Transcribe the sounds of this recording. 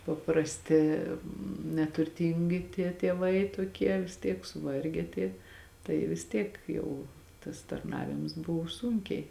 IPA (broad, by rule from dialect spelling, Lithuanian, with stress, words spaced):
pɐprɐsʲˈtʲɪ nʲɛtʊrʲˈtʲiːŋʲɡʲɪ tʲiɛ tʲiɛˈʋɐɪ toːˈkʲiɛ ʋʲɪs ˈtʲiɛk sʊˈʋɐrʲɡʲɛ tʲiɛ tɐɪ ʋʲɪs ˈtʲiɛk ˈjɛʊ tɐs tɐrˈnɑːʋʲɪms ˈbʊw ˈsuːŋʲkʲɛɪ